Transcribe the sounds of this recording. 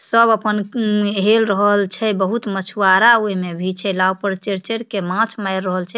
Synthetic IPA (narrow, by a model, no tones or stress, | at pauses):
səbəpənɦelɾəɦəlt͡ʃʰɛbəɦut̪mət͡ʃʰuaɾaoimebʱit͡ʃʰɛlawpəɾt͡ʃeɾt͡ʃeɽkemãt͡ʃʰmajɾːəɦəlt͡ʃʰɛ